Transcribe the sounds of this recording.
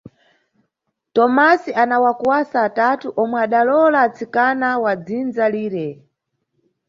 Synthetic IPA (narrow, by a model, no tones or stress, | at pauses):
tɔmasianawakwasaːtatuʔɔmwɛaɗalɔlaːt͡sikanawad͡zind͡zaliːɾɛ